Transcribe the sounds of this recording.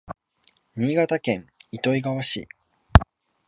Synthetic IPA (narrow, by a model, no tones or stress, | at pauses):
ɲ̟iːɡat̪akẽ̞ŋit̪o̞iɡaβaɕḭ